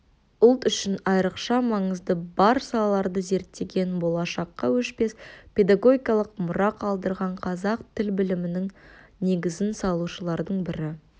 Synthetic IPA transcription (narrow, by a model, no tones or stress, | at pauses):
ʊlˠt̪ʏʃɪnɑjɾəqʃɑmɑɴəzd̪əbɑɾsɑlˠɑlˠɑɾd̪əze̞ɾt̪ːe̞ɡʲe̞nbo̞lˠɑʃɑqːɑwɵʃpe̞spʲe̞d̪ɑɡo̞ɡʲikɑlˠəqmʊɾɑqɑlˠd̪əɾʁɑɴqʰɑzɑqt̪ʰɪlbɪlɪmɪnɪŋne̞ɡʲɪzɪnsɑlˠuʃəlˠɑɾd̪əɴbɪɾɪ